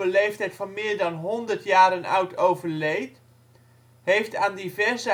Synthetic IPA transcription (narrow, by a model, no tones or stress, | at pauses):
əlejftɛjtfɑnmɪːɹdɑnɦɔndərtjaːɾənœ̰ɥtʰowvəɹlejt | ɦejftaːndivɛrzə